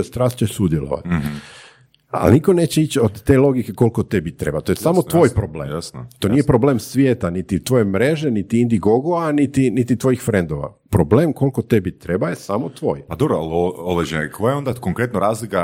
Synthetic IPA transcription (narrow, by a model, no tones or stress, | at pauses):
st̪ɾaːst̪t͡ɕeʃsud̪jelo̰ʋa̰t̪ | a̰lniko̞ne̞ːt͡ɕeit͡ɕod̪ːe̞ːlˠo̞ɡike̞ko̞lko̞t̪ebit̪ːɾe̞̰bat̪ojesamot̪ʋo̞jpɾoblḛːjasnot̪o̞ːnijepɾoble̞ːmsʋjeːt̪anit̪it̪ʋo̞ːje̞mɾe̞ʒe̞nit̪iind̪iɡoɡoanit̪init̪it̪ʋo̞jixfɾend̪oʋa̰ | pɾobleːmko̞lko̞t̪ebit̪ːɾebajesamot̪ʋo̞̰ːjpad̪obɾoalooʋed͡ʒenekʰojeond̪akoŋkɾet̪noɾaːzlika